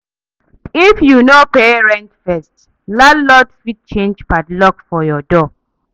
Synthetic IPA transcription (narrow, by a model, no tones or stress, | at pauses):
ifjunopeɹɛ̃ntfɛst | lalɔtfid̚t͡ʃẽnd͡ʒbatlɔkfɔjɔdɔ